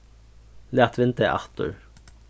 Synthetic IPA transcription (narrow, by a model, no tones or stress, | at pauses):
læːʁt̪ʰʋɪnt̪əʔɑ̰ʁt̪ə̰ɹ